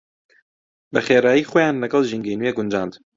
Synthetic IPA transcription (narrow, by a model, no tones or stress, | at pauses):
bɛxeːɾɑːjiːxojɑːnlɛɡɑlʒiŋɡeːnujeːɡʊnd͡ʒɑːnd̪